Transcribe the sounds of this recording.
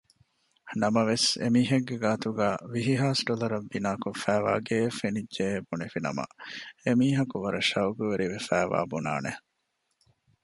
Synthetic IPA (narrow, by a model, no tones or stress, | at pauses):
nɐmɐʋesḛmiːɦeɡːeɡaːt̪uɡæːʋiɦiɦaːsɖolɐɾɐbːinaːkofæːʋa̰ːɡeːfenidʒeːbunefinɐ̰mɐ̰emiːɦɐkuʋɐɾɐʃɐwɡuʋeɾiʋefæːʋa̰ːbuna̰ːne